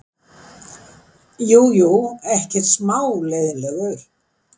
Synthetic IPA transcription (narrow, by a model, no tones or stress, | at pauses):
juːjuɛhcɛt̪smaːwleːjðɪnlɛɣœɾ̥